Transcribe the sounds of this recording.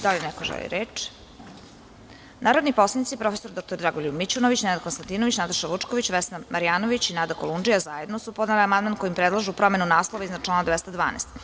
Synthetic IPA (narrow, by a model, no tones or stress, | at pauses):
d̪alʲenɛkoʒɛ̰lḭɾeːt͡ʂ | naːɾod̪nipo̞slˠanit̪sipɾo̞fesoɾd̪ok̚t̪oɾd̪ɾaɡolʲubmit͡ɕunoʋit͡ɕinenad̪konst̪ant̪iːnoʋit͡ɕnat̪aʃaʋut͡ʂkoʋit͡ɕʋɛsnamʔaɾijaːnoʋit͡ɕinaːd̪akolˠund͡ʒijazajed̪nosupo̞d̪neliamand̪mankojimpɾed̪lˠaʒupɾo̞me̞nunaːslˠoʋaiznat͡ʃlˠaːnad̪ʋɛst̪ad̪ʋa̰ːnḛst̪